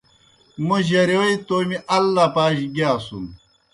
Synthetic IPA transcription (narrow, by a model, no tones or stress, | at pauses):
muʑɐɾewit̪oːmiʔɐlːapaːɕiɡaːsṵm